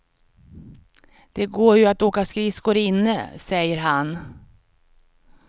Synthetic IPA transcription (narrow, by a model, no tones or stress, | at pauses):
d̪̥ɛɡoːɾjɵat̪oːkaskɾɪskʊɾɪnːəsɛjːəɾɦan